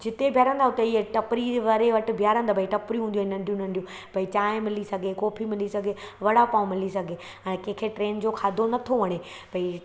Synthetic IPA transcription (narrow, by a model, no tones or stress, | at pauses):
d͡ʑɪt̪ebʱjaːɾə̃nd̪aɦʊt̪eieʈɐpɾiʋɐɾeʋɐʈ̆bʱijaːɾə̃nd̪aːbʱɐiʈɐpɾiɦũːnd̪iɦenɐ̃ɳɖʱijũnɐ̃ɳɖijũ | bʱɐit͡ɕãːmɪlisɐɡʱekɔːpʰimɪlisɐɡʱeʋɐɽ̤apaːũmɪlisɐɡʱe | ɛ̃ːkẽːkʰeʈɾeːnd͡ʑokʰaːd̪ʱonɐt̪ʰoʋɐɽ̃e | b̥ʱɐi